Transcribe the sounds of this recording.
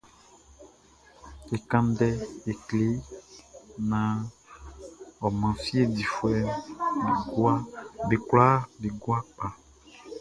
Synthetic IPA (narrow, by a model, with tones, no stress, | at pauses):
e˨kã˦nɖɛ˦e˨kle˦ | nã˨ | ɔ˨mã˨fi˦e˦˨di˨fwɛ˦be˨ɡa˦be˨kla˦be˨ɡwa˦k͡pa˨